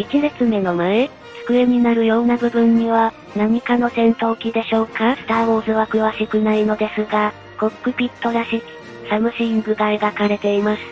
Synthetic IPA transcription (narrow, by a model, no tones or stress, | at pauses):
it͡ɕinet͡sɨme̞no̞mae | t͡sɨ̥kɯ̟eɲ̟inaɾɯ̟jo̞ːnabɯ̟bɯ̟̃ɲ̟ːiβa | naɲ̟ikano̞t̪ẽ̞nt̪o̞ːkʲid̪e̞ɕo̞ːkasɨ̥t̪aːwo̞ːzɨβakɯ̟βaɕikɯ̟naino̞d̪e̞sɨɡa | kokːɯ̟pʲit̪ːo̞ɾaɕiki̥ | samɯ̟ɕiːŋɡɯ̟t̪aiɡakaɾe̞t̪e̞imasɨ̥